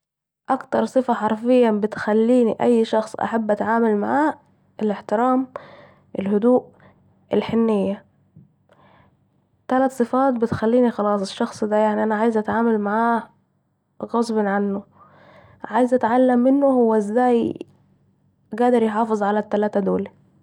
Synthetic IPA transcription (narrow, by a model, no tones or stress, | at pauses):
ʔakt̪ɑɾˤsˤɨfaħɑɾˤfɪjːabɪt̪xælːiːniʔæjːʃɑxsˤʔa̰ħabːʔat̪ʕaːmalma̰ʕaː | ʔɪlɪħt̪ɪɾaːm | ʔɪlhʊd̪uːʔ | ʔɪlħɪnːɪjːa | t̪alat̪sˤɨfɑːt̪bɪt̪xælːiːnixɑlɑːsˤɪʃːɑxsˤd̪æjaʕniʔanaʕaːjɪzʔat̪ʕaːmalmaʕaː | ɣɑzˤbɑnʕanːʊ | ʕaːjɪzʔat̪ʕalːamːɪnːʊhʊwːæʔɪzːaːj | ɡæːd̪ɑɾjħɑːfɨzˤʕalat̪ːælaːt̪æd̪oːli